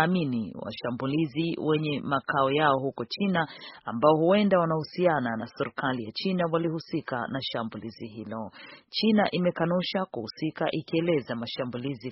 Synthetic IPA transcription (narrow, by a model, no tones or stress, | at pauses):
minḭwa̰ʃambuliziwɛɲɛmakaɔjaɔhukɔt͡ʃinaambaɔhuwɛndawanahusiananasɛɾkalijat͡ʃinawalihusika̰naʃambuliziɦilɔt͡ʃinaʔimɛkanuʃakuhusikaʔikiɛlɛzamaʃambulizi